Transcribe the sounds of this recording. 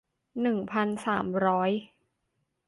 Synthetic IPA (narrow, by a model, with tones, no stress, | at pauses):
nɯ˨˩ŋpʰa˧nsaː˩˦mɾɔː˦˥j